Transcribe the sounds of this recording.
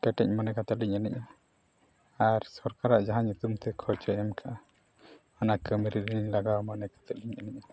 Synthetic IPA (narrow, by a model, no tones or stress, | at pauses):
kɛʈɛɲmanɛkat̪aliɲanḭɲa | aɾsɔɾkaɾaʔd͡ʒaɦaɲut̪umt̪ɛkʰɔt͡ʃɛʔɛmkʰaʔa | anakəmɾiɾiɲlaɡawmanɛkḁt̪aliɲaniʔa